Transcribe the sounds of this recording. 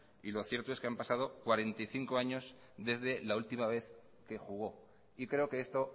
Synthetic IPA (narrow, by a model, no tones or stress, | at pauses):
ilo̞θje̞ɾt̪oe̞skeampasað̞o̞kwaɾe̞nt̪ajθiŋko̞aɲo̞z | ðe̞zðe̞lault̪imaβ̞e̞θ | ke̞xuɣ̞o̞ | ikɾe̞o̞ke̞est̪o̞